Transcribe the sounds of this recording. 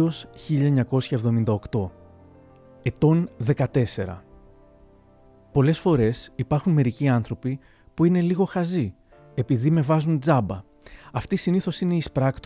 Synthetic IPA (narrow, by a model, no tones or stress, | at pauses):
o̞sçiʎɐeɲɐko̞sçɐevðo̞mind̪ɐo̞kt̪o̞ | e̞t̪o̞nðe̞kɐt̪e̞se̞ɾɐ̰ | po̞le̞sfo̞ɾe̞sipɐɾxunme̞ɾiciɐnθɾo̞pi | puine̞liɣo̞xɐzi | e̞piðime̞vɐzund͡zɐbɐ | ɐft̪isiniθo̞sine̞ispɾɐkt̪